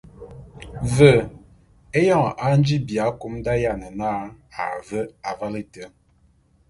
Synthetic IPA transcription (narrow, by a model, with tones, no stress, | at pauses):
və˨ | e˦jɔ˦˨ŋ˨ʔa˨˦n˦d͡ʒi˦bja˨˦ku˦mda˦ja˦˨nə˨naː˦ | a̰˨və˦a˨va˦li˦tə˨˦